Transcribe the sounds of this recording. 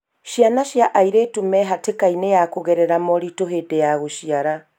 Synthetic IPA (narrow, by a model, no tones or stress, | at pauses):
ʃianaɕjaʔaiɾeːtumɛɦatekainejakoɣɛɾɛɾamɔɾitoɦedejaɣoʃiaɾa